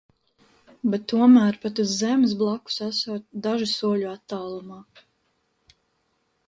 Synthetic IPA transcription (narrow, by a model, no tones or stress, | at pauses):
bɛt̪ːuɔmæːɾpat̪uzːɛmɪs̬blˠaku̥sasuːt̪d̪aʒisuɔʎuat̪ːaːlˠumaː